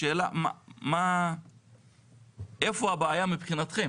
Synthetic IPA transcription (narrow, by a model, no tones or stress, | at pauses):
e̞ːla̰ma̰ma | efoabaːjamipχinat̪χe